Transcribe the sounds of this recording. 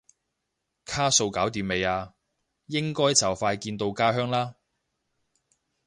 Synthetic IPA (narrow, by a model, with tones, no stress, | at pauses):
kʰaː˥so˧wkaː˨˥wt̪̬iː˨˧me˨˧jaː˧ | jɪ˥ŋkɔː˥jt͡sɐ˨˩wfaː˧jkiː˧nt̪o˧wkaː˥ɦœː˥ŋlaː˥